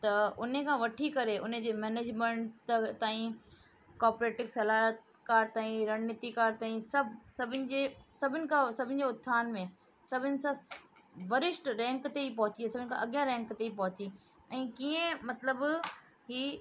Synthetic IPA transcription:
t̪ɐʊn̤ekʰãʋɐʈʰikɐɾeʔʊn̤ed͡ʑeːmɛːneːd͡ʑmẽɳʈt̪aːĩ | kaːɾpɾeːʈɪksɐlaːɾt̪ | kaːɾt̪aːĩɾɐɽnɪt̪ikaːɾt̪aːĩsɐbsɐbʱɪnɪ̆d͡ʑesɐbʱɪnɪ̆kʰãsɐbʱɪ̃nɪ̆d͡ʑeːʊt̪ʰːaːnmẽ | sɐbʱɪnɪ̆sã | ʋɐɾɪʃʈɾɛ̃ːŋkt̪eip̬ɐɦʊt͡ɕiasɐbʱɪ̃nɪ̆kʰãʔɐɠijãɾɛ̃ːŋkt̪eip̬ɐɦʊt͡ɕi | ɛ̃ːkiːẽmɐt̪ləb | hiː

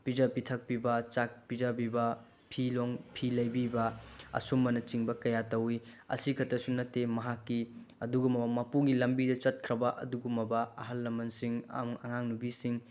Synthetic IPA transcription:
pid͡ʒɐpitʰɐk̚pibɐt͡ʃak̚pizɐbibɐ | pʰiloŋpʰilɐjbibɐɐ̰sumːɐnɐt͡ʃiŋbɐkɐjatɐwi | ɐ̰sikʰɐtɐsunɐtːemɐɦakːi | ɐduɡumɐbɐmɐpuɡilɐmbidɐt͡ʃɐt̚kʰɾɐbɐʔɐ̰duɡumɐbɐɐ̰ɦɐlːɐmɐnsiŋa̰ɐ̰ŋaŋnubisiŋ

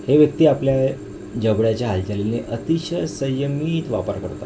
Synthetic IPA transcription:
heʋjək̚t̪iːaplja | d͡ʑəbɽjat͡ɕjaɦalt̪ʰaleneʔət̪iɕəsəjəmiːt̪ʋapə̰ɾkəɾt̪a̰

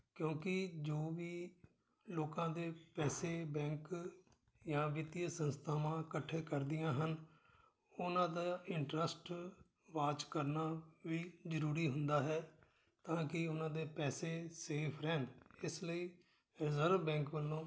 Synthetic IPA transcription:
kjõːkɪd͡ʒoːʋiː | loːkãːd̪eːpɛːseːbɛ̃ːŋk | jãːʋɪt̪ɪjəsənst̪ʰaːʋãːkəʈʰːeːkəɾd̪ɪjãːɦən | ʊnãːd̪aːɪɳʈɾəsʈ | ʋaːt͡ʃkəɾnaːʋiːzəɾuːɾiːɦʊnd̪aːɦɛː | t̪ãːkɪʊnãːd̪eːpɛːseːseːpʰɾɛːnɪsləiː | ɾɪzəɾʋbɛ̃ːŋkʋəlːõː

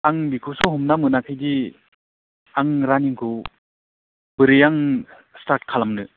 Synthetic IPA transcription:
aŋbikʰusɔɦɔmnamɯnakʰajdi | aŋɾaniŋkʰu | bɯɾɯjaŋ | staɾt̚kʰalamnɯ

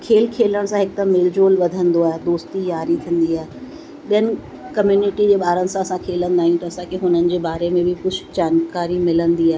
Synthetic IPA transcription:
kʰeːlkʰeːləɽ̃sãɦɪk̚d̪ɐmɪld͡ʑoːlʋɐd̪ʱə̃nd̪oaːɦed̪oːst̪ijaːɾit̪ʰĩən̆d̪iaːɦe | ɓijənɪ̆ | kɐmjuːnɪʈid͡ʑeːɓaːɾənɪ̆sãɐsãkʰeːlə̃nd̪aːɦijũt̪ɐɐsãkʰeɦʊnənɪ̆d͡ʑeːbaːɾemẽbʱɪkʊd͡ʑʱʰd͡ʑaːnkaːɾimɪlə̃nd̪iaːɦe

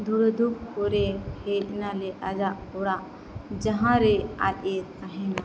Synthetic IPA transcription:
d̪ʱuɾd̪ʱuk̚pɔɾɛhɛʔ̚nalɛʔad͡ʒaʔpɔɾaʔ | d͡ʒaɦãɾɛa̰ʄɛkaɦɛna

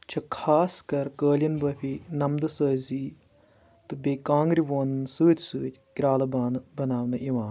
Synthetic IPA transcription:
t͡ʃʰɐkʰaːskɐɾkəːljɐnbɐpʰinɐmd̪ɨsəːziː | t̪ɨbeːkãːŋɡɾiʋoːnsɨːt̪ʲsɨːt̪ʲkɾaːlɐbaːnbɐnaːʋnɐʔiʋãːn

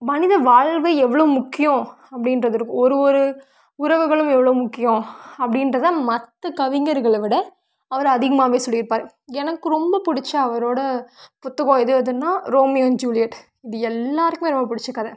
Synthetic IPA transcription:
mɐnɪðɐʋaːɭʋɐɪɛʋːɐɭɐʋmʊkːɪjõ | ɐpːɐɽɪnɾɐðɯɾɯkːɯ̃ɔɾɯɔɾɯ | ʊɾɐʋɯɣɐɭɯmɛʋːɐɭɐʋmʊkːɪjõɐpːɐɽɪnɾɐðãːmɐt̪ːɐkɐʋɪŋɡɐɾɣɐɭʋɪɽɐ | ɐʋɐɾɐðɪɣɐmaːʋeːsɔlːɪjɪɾɯpːaːɾ | ɛnɐkːɯɾɔmbɐpʊɽɪt͡ʃːɐɐʋɐɾoːɽɐpʊt̪ːɯɣõːɛðɯɐðɯnːaːɾoːmɪjond͡ʒuːlɪjɐʈ | ɪðɯɛlːaːɾɯkːmeɾɔmbɐpʊɽɪt͡ʃːɐkːɐðɐ

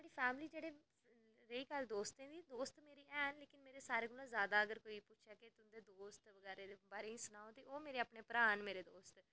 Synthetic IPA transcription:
aɽiːpʰɛːmliːd͡ʒeːɽeː | ɾeiːkəld̪oːst̪ɛ̃nd̪iːd̪oːst̪meːɾiːʔɛːnleːkɪnmeːɾeːsaːɾeːɡʊlãːzjaːd̪aːəɡəɾkoːipʊʃʰaːkɪt̪ʊd̪eːd̪oːst̪ʋəɡɛːɾeːd̪eːbaːɾeːĩsʊnaːõt̪eːʔoːmeːɾeːaːpɳeːpɾaːnmeːɾeːd̪oːst̪

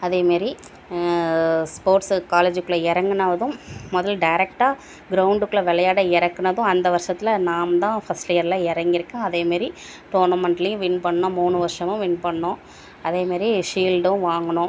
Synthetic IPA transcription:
ɐðeːmaːɾi | spoːɾʈskaːleːd͡ʒɯkːɯɭɐɪɾɐŋɡɐnɐʋɐðʊ̃mɔðɐlɖɐɪɾɛk̚ʈaː | ɡɾɐʊɳɖɯkːɯɭɐʋɛlɐjaːɽɐɪɾɐkːɐnɐðʊ̃ɐnd̪ɐʋɐɾʂɐt̪ːɪlɐnaːmɐt̪ãːfɐslɪjɐɾlãːɪɾɐŋɡɪɾɯkːẽːɐðeːmaːɾi | ʈoːnɐmɐɳʈlɪjɯ̃ʋɪnpɐɳːnõmuːɳɯʋɐɾɪʂɐmʊ̃ʋɪnpɐɳːõ | ɐðeːmaːɾiʂiːlɖʊ̃ʋaːŋɡɐɳʊ̃

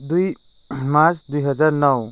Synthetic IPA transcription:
duj | maɾsʰdujɦʌzaɾnʌw

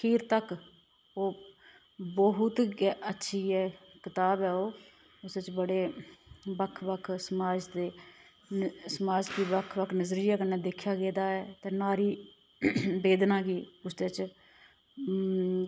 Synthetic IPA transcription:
kʰiːɾt̪ək | oː | bəɦʊt̪ːətːʃʰiːɛːkɪt̪aːbɛːoː | ʊset͡ʃbəɽeːbəkʰʋəkʰsəmaːd͡ʒd̪eː | səmaːd͡ʒkiːbəkʰʋəkʰnəzɾiːɛːkənːɛːd̪ɪkʰːjaːɡeːd̪aːɛːt̪eːnaːɾiː | beːd̪nãːɡiːʊsd̪et͡ʃ

